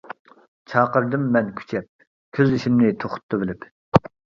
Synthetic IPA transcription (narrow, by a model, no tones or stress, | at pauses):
t͡ʃʰɑːqəɾd̪ɨmːɛnkʲʰy̥t͡ʃʰɛp̚ | kʲʰøziʃimnɪt̪ʰoχʊ̥t̪ʰːɑvɪlɪp